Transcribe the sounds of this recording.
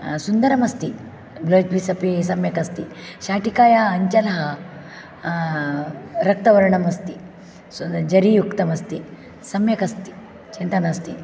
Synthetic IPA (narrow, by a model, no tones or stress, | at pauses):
sund̪ɐɾɐmɐst̪i | blod͡ʒbisɐpisɐmjɐkɐst̪iɕaːʈikaːjaːɲt͡ʃɐlɐɦɐ | ɾɐk̚t̪ɐʋɐɾɳɐmɐst̪i | ud͡ʒɐɾijukt̪ɐmɐst̪i | sɐmjɐkɐst̪i̥ | t͡ʃint̪ɐnɐst̪i